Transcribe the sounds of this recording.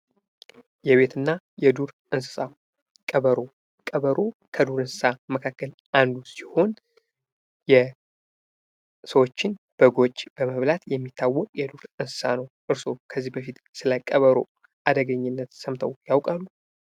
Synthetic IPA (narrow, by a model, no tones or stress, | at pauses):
jɛβe̞t̪ʰɨnːa | jɛd̪uɾʔɨnsɨ̥sa | kʼəβəɾo̞ | kʼəβəɾo̞kʰəd̪uɾɨnsɨ̥saməkʰakːəl | ʔand̪usiho̞n | jɛ | səwot͡ʃːɪnb̥əɡo̞t͡ʃʼːb̥əməβlat̪jɛmːit̪ʰːawːɔkʼjɛd̪uɾɨnsɨ̥sanəwʔɨɾso̞kʰəzːihbəfit̪ | sɨlajkʼəβəɾo̞̰ | ʔad̪əɡəɲːɪnːət̪səmt̪ʰəwjawkʼalːu